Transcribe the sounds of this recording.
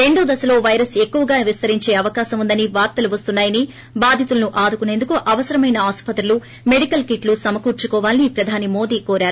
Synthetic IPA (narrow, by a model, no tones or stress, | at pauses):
ɾe̞ɳɖuːd̪ɐsɐlo̞ːʋɐjɾɐse̞kːuʋɐɡaːʋist̪ɐɾiɲt͡ʃe̞ːɐʋɐkaːsɐmund̪ɐniʋaːɾt̪ɐluʋɐst̪unːaːjɐni | baːd̪ʱjit̪ulɐnuʔaːd̪ukune̞ːnd̪ukuʔɐʋɐsɐɾɐmɐjnɐaːspɐt̪ɾulu | me̞ɽikɐlkiʈlusɐmɐkuːɾt͡ʃukɔːʋaːlnipɾɐd̪ʱaːnimo̞ːd̪iːkoːɾaːɾu